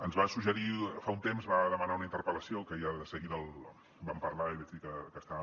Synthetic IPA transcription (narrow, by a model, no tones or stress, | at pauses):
ənzβasuʒəɾifaunt̪emzβaðəmənaunəint̪əɾpələsiokəeəðəsəɣiðəlˠ | bampəɾlaiβɛd͡ʒd̪ikəkəst̪a